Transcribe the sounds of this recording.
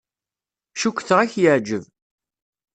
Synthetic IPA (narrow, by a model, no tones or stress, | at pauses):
ʃukʷːθʁaçjəʕd͡ʒəv